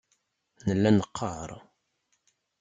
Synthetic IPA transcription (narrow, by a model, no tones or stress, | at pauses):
nəlːænəqʰːəɾˤ